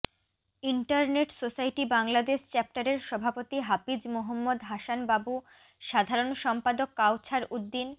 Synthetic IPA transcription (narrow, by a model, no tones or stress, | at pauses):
iɳʈaɾneʈsosajʈibaŋlad̪eʃt͡ɕɛp̚ʈaɾeɾʃɔbʱapot̪iɦapid͡ʑmoɦomːod̪ɦaʃanbabu | ʃad̪ʱaɾonʃɔmpad̪okːawt͡ɕʰaɾud̪ːin